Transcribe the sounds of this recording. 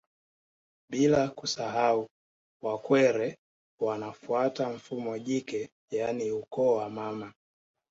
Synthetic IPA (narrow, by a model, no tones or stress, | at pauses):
ɓilakusaɦau | wakwɛɾɛ | wanafuataɱ̩fumɔʄikɛ | janiukɔːwamama